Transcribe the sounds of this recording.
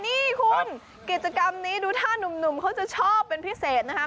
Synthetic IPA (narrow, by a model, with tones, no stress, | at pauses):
niː˥˩kʰu˧n | ki˨˩t̪̚t͡ɕa˧ka˧mniː˦˥duː˧t̪ʰaː˥˩nu˨˩mnu˨˩mkʰa˦˥wt͡ɕa˨˩t͡ɕʰɔː˥˩pːe˧npʰi˦˥seː˨˩t̪̚na˦˥kʰa˦˥